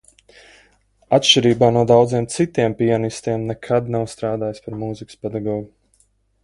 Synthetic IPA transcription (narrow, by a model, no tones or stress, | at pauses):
at̪ʃʲt͡ʃiɾiːbaːnuɔd̪awd̪ziɛmt̪sit̪iɛmpianist̪iɛmnɛkʰad̪nawst̪ɾaːd̪aːjspaɾmuːzikɨspɛd̪aɡɔːɡu